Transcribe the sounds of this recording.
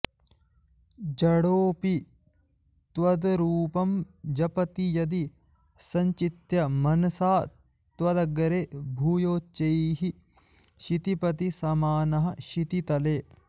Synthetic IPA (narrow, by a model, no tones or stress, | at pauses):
d͡ʒɐɽoːpi | t̪ʋɐd̪ɾuːpɐmd͡ʒɐpɐt̪ijɐd̪i | sɐɲt͡ʃit̪jɐmɐnɐsaː | t̪ʋɐd̪ɐɡɐɾeːbʱuːjoːt͡ʃːɐjɦi | ʃit̪ipɐt̪isɐmaːnɐɦɐʃit̪it̪ɐleː